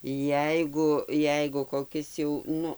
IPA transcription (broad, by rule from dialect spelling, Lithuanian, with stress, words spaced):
ˈjɛɪɡʊ ˈjɛɪɡʊ koːˈkʲɪs jɛʊ ˈnʊ